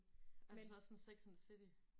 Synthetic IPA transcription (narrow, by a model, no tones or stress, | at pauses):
ælsɒsɒnseɡ̥snsed̥i